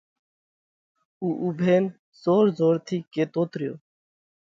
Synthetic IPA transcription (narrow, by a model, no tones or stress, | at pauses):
uʔubʱeːn | soɾzoɾt̪ʰiket̪ot̪ɾio̰